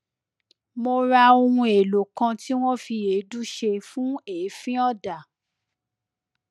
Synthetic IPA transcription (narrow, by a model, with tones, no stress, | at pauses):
mo˧ɾa˧o˧ũ˧e˨lo˨kã˧ti˦w̃ɔ̃˦fi˧e˨˦du˦ʃe˧fũ˦e˨˦fĩ˦ɔ˦˨da˨